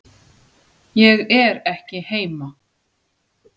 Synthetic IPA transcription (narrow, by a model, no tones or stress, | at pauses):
jɛɣɛɾɛhcɪheːjma